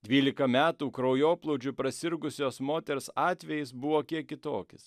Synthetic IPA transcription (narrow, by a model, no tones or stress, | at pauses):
d̪ʲʋʲiːlʲɪkɐmʲæːt̪uːkɾoʊjoːplˠɔʊd͡ʒʲʊpɾɐsʲɪɾɡʊsʲoːsmoːt̪ʲɛɾsɑːt̪ʲʋʲɛjɪsbʊʋoːkʲiɛkʲɪt̪oːkʲɪs